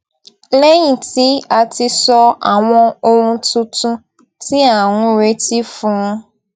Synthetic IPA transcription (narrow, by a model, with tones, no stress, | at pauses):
le˦ɲĩ˨ti˦a˨tɪ˦sɔ˦a˨ŋʷɔ̃˦o˦ɾũ˦tʊ˦tʊ̃˦ | ti˦a˨ŋʷʊ̃˦˨ɾe˦ti˦fʊ̃˦ŋʊ̃˦